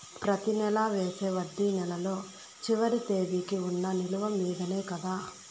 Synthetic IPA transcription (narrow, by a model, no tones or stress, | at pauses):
pɾɐt̪inɛlaːʋeːse̞ːʋɐɖ̪ːiːnɛlɐlo̞ː | t͡ʃiʋɐɾit̪e̞ːʋikiunːɐniluʋɐmiːd̪ɐne̞ːkɐd̪aː